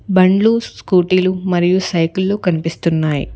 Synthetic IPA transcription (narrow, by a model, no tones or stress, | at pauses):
bɐɳɖlusskuːʈilumɐɾijusɐjklːoːkɐnipist̪unːaːjḭ